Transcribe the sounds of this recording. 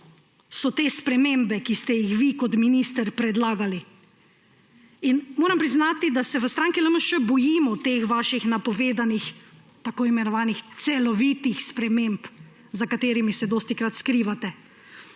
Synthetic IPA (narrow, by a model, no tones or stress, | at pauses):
sɔt̪eːspɾɛmembɛkist̪ɛjixʋikɔt̪minist̪əɾpɾɛd̪laːɡali | inmoːɾampɾiznaːt̪id̪asɛʋəst̪ɾaːŋkiləməʃɛbɔjiːmɔt̪eːxʋaːʃixnapɔʋeːd̪anix | t̪akoːimɛnɔʋaːnixt̪sɛlɔʋit̪ixspɾɛmemp | zakat̪eːɾimisɛd̪oːst̪ikɾat̪skɾiːʋat̪ɛ